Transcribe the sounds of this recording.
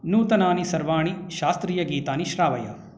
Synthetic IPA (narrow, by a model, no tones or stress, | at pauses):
nuːt̪ɐnaːnisɐɾʋaːɳiʃaːst̪ɾiːjɐɡiːt̪aːniʃɾaːʋɐjɐ̰